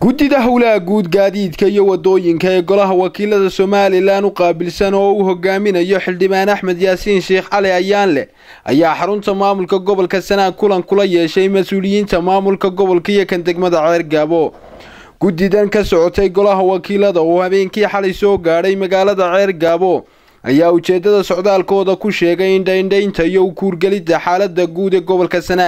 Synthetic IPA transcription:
ɡ̥ʊd̪ɪðɐɦɐwlɐɐɡuːd̪ɡaːðiːd̪kʰɐijɔwɑd̪ɔːjɪŋkʰɐɛːɡɔlɐɦɐwɑkʰiːlɐðɐsɔːmaːlɪlaːnʊqɑːbɪlsɐnɔːʊɦɔɣaːmɪnɐjɔħɪlɖɪβaːnɐħmɛd̪jaːsiːnʃɛːχʕɑlɛɐjaːnlɛ̰ | ʔɐ̰jaːħɑɾʊnt̪ʰɐmaːmʊlkʰɐɡɔβɔlkʰɐsɐnaːd̪̚kʰʊlɐŋkʰʊlɐjɛːʃɛjmɐsuːlɪjiːnt̪ʰɐmaːmʊlkʰɐɡɔβɔlkʰɐijɔkʰɐnd̪ɐɡmɐðɐʕɛːrɡɐβɔ | ɡ̥ʊd̪ɪðɐŋkʰɐsɔʕɔt̪ʰɛjɡɔlɐɦɐwɑːkʰiːlɐðɐɔːhɐβɛːŋkʰiːħɑlɛjsɔːɡaːɽɛjmɐɣaːlɐðɐʕɛːrɡaːβɔ | ʔɐjaːʊt͡ʃɛːd̪ɐðɐsɔʕd̪aːlkʰɔːðɐkʰʊʃɛːɣɛjɪɳɖɛjɳɖɛjnt̪ʰɐijɔʊkʰuːrɡɛlɪd̪ɐħaːlɐd̪ɐɡuːd̪ɛːɡɔβɔlkʰɐsɐnaː

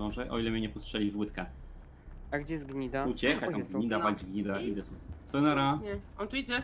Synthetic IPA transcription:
ɔ̃w̃ʐɛʔɔ̰ilɛmʲɲɛɲɛpɔstʂɛlʲivwɘt̪kɛ | aɡd͡ʑɛzɡɲid̪aut͡ɕɛkat̪amɡɲid̪apalʲd͡ʑɡɲid̪aid̪ɛssɛnaɾaɲɛɔnt̪uid͡ʑɛ

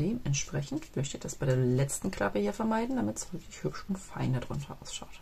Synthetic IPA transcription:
d̥eːmɛntʃpʁ̥ɛçn̩tv̥ʏçtɪçd̥asb̥aɪdeːɐlɛt͡stn̩kʰl̥a̰pəhiːɐfɛɐmaɪdn̩damɪtz̥ʁʏklɪçhʏpʃʊntfaɪndadʁʊ̰ntʰɐʔa̰ʊsʃaʊt

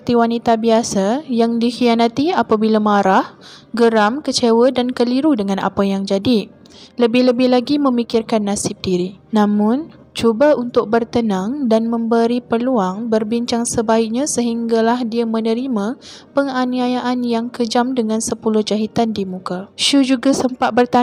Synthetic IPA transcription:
pət̪iwanit̪abiasajaŋdixianat̪iapabilamaɾah | ɡəɾamkət͡ʃewədankəliɾudəŋãna̰pajaŋd͡ʒadi | ləbɪhləbɪhlaɡimə̃mikɪrkanːasɪb̚diɾinãmʊ̃n | t͡ʃubaunt̪ʊk̚bərt̪ənãŋdanmə̃mbəɾipəluaŋbərbiɲt͡ʃaŋsəbaɪk̚ɲãsəɦiŋɡalahdiamənəɾimãpəŋaniajaʔanjaŋkəd͡ʒamdəŋansəpulʊhd͡ʒaɦit̪andimũkaʃud͡ʒuɡasəmpat̪̚bərt̪a

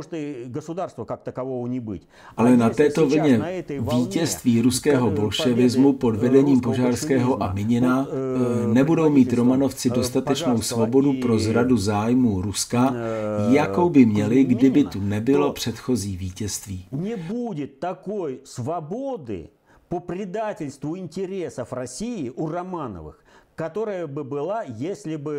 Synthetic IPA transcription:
ʐt̪əɡəsʊd̪arst̪vəkak̚t̪əkɐvovənʲɪbɨ̰tʲ | ʔalɛnat̪ɛːt̪o̞vl̩ɲɛviːcɛst̪viːɾuskɛːɦo̞bo̞lʃɛvɪzmupo̞dvɛdɛɲiːmpo̞ʒaːrskɛːɦo̞ʔamɪɲɪna | nɛbudo̞wmiːt̪ɾo̞mano̞ft͡sɪdo̞st̪at̪ɛt͡ʃno̞wsvo̞bo̞dupɾo̞zɾaduzaːjmuːɾuskajako̞wbɪmɲɛlɪɡdɪbɪt̪unɛbɪlo̞pr̝̥ɛt̪xo̞ziːviːcɛst̪viːnʲɪbudʲɪt̪ːɐkojsvɐbo̞d̪ɨ̰ | popɾʲɪd̪atʲɪlʲst̪vʊɪnʲtʲɪɾʲesəfrɐsʲijɪʔurɐmanə̰vɨ̰xkɐt̪o̞ɾəjəbɨbɨlˠajesʲlʲɪbɨ

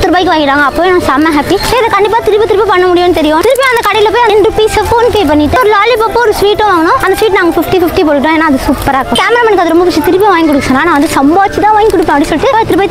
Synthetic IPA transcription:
t̪ɪɾɯbaːjɪkːɯʋaːŋɡɪʈːaːŋɡɐːpːoːenãːsamɐ̃ɦaːpisɐɾɪðɐkɐɳɖɪp̬ːaːt̪ɪɾɯpːɐt̪ɪɾɯpːipɐɳːɐmʊɽɪjõːnːɯt̪ɛɾɪjõt̪ɪɾɯpːj̃ɐnd̪ɐkɐɽɐjɪlɐp̬oːjɐnɛnɾɯpiːsɐpoːnpeːpɐɳːɪʈːɯɔɾɯlaːlipɐpːoɔɾɯsʋiːʈːõʋaːŋɡɐnʊ̃ɐnd̪ɐsʋiːʈ̬naːŋɡɐfɪfʈifɪfʈip̬oːʈɯkɪʈːõeːnːaːðɯsuːpːɐɾaːkːõkaːmɾaːmɐnɪkːɐðɯɾɔmbɐpʊt͡ʃːit̪ɪɾɯpːiʋaːɡkɔɽɯkːsɐ̃naːnãːʋɐnd̪ɯsɐmbaːt͡ʃːɯt̪ãːʋːŋɡkɔɽɯpːẽːɐpɽisɔlːɪʈːɯt̪ɪɾɯbaːɪ

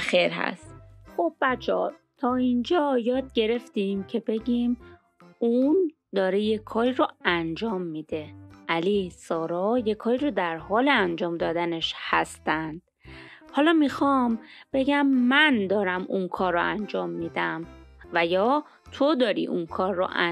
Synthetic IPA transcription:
xeɾɦæ̰st̪xob̚ːæt͡ʃʰɒ̰t̪ʰɒːind͡ʒɒːjɒːd̪̚ɟe̞ɾe̞ft̪imcʰe̞be̞ɟiːm | un | d̪ɒːɾejekʰːɒːɾiɾoænd͡ʒɒːmːiːd̪e̞ʔæliːsɒːɾɒːjekʰɒːɾiɾod̪æɾhɒːleænd͡ʒɒːmd̪ɒːd̪æneʃhæst̪ænd̪̥ | hɒːlɒːmixɒmb̥e̞ɟæmːænd̪ɒːɾæmunkʰɒːɾːo̰ʔænd͡ʒɒːmːiːd̪æmvæjɒː | t̪ʰod̪ɒːɾḭːʔunkʰɒːɾːo̰ʔæ

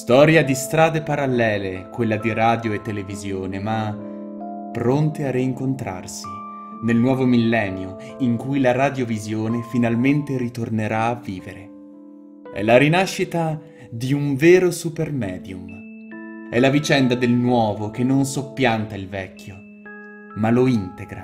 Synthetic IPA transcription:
st̪ɔːɾjad̪ist̪ɾaːd̪epaɾalːɛːlekwelːad̪iɾaːd̪joet̪ːelevizjoːnema | pɾont̪eariːŋkont̪ɾa̰rsi | nelnwɔːvomilːɛnjoiŋkujlaɾad̪jovizjoːnefinalment̪eɾit̪orneɾaːvːiːveɾe | ɛ̰laɾinaʃːit̪a | d̪iuɱveːɾosupermɛːd̪jum | ɛlavit͡ʃɛnd̪ad̪elnwɔːvok̟enːonsopːjant̪ailvɛkːjo | maloint̪eɡɾa̰

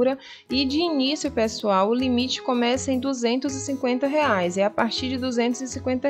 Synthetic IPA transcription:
ɾɐ | ɪd͡ʒɪinisjʊpesuawʊlimit͡ʃɪ̥kõmɛsɐẽd̪uzẽnt̪ʊzɪsĩŋkwẽnt̪ɐɦeajzɪapaɾt͡ʃiɾd͡ʒɪd̪uzẽnt̪ʊzɪsĩkwẽnt̪ɐ

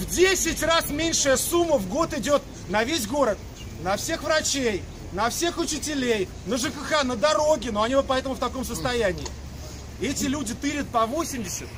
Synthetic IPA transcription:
vdʲesʲɪtʲrasmʲenʲʂɨjəsumːəvɡo̞t̪ɪdʲo̞t̪ | nɐvʲesʲɡo̞ɾət̪̚ | nɐfsʲe̞xvɾɐt͡ɕej | nɐfsʲe̞xʊt͡ɕɪtʲɪlʲej | nəʐɨkɨxanəd̪ɐɾo̞ɡʲɪnoɐnʲivot̪̚pɐɛt̪əmʊft̪ɐko̞msəst̪ɐjænʲɪː | ɛtʲɪlʲudʲɪt̪ɨɾʲɪt̪̚pɐvo̞sʲɪmʲdʲɪsʲət̪

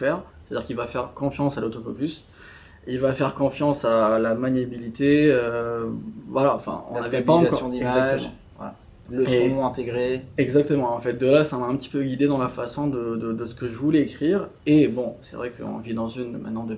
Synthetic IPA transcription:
fɛʁst̪ad̪iʁkʲilvafɛʁkɔ̃fjɑ̃salot̪ofɔpys | ilvafɛʁkɔ̃fjɑ̃salamaɲjabilit̪eø | vwalaɑ̃fɛ̰̃ɔ̰̃nnavɛpaɑ̃kɔjɔ̃d̪iɛmɡzak̪əʒmɑ̰̃ | wa̰ | ləẽɔ̃ɛ̃t̪eɡʁeɛɡzak̚t̪əmɑ̃ɑ̃fɛt̪̚d̪əlasamaɛ̃pət̪i̥pøɡʲid̪ed̪ɑ̃lafasɔ̃d̪əd̪əd̪əsə̥kəʒəvulɛekχiʁebɔ̃sɛ̰vʁɛkə̰ɔ̰̃vid̪ɑ̃zynmɛ̰̃t̪̚nɑ̃d̪ə

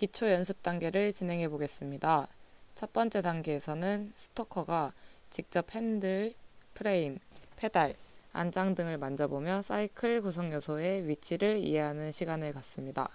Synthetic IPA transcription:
kit͡ɕʰojʌns̬ʰɯp̚t͈aŋɡe̞ɾɯɭt͡ɕinɦe̞ŋɦe̞boɡe̞s͈ɯmɲidat͡ɕʰʌp͈ʌnt͡ɕ͈e̞daŋɡe̞ːsʰʌnɯnsʰɯ̥tʰokʰʌɡat͡ɕik̚t͡ɕ͈ʌpʰendɯpʰɯɾeimpʰe̞daɭa̰nd͡ʑaŋdɯŋɯɭmand͡ʑʌbomjʌs͈ʰaikʰɯɭkos̬ʰʌŋjʌsʰoe̞ɥit͡ɕʰiɾɯɭḭe̞ɦanɯnɕʰiɡanɯɭkas͈ɯmɲida

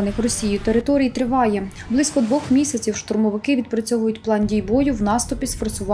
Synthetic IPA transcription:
ɐnɪxrɔsʲijʊt̪eɾɪt̪ɔɾʲijit̪ɾɪʋɑjɛ | blˠɪsʲkɔd̪ʋɔxmʲisʲɐt͡sʲiwʃt̪ʊrmɔʋɪkɪʋʲid̪̚pɾɪt͡sʲɔɦʊjʊtʲplˠɑndʲijbɔjʊwnɑst̪ʊpʲisfɔrsʊʋɑ

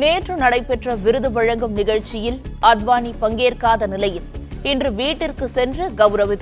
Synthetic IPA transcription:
neːʈrɯnɐɽɐɪpɛʈrɐʋɪɾɯðɯʋɐɻɐŋɡɯmnɪɣɐɻt͡ʃɪjɪlɐd̪ʋaːnipɐŋɡeːɾkaːðɐnɪlɐjɪlɪndrɯʋiːʈːɪrkɯsɛndrɯɡɐʋɾɐʋɪð

